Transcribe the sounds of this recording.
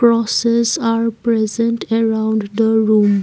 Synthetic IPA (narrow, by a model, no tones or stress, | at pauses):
ɾɔsezaːɾpɾɛzə̃ɳʈəɾãʊ̃ɳɖd̪əɾũːm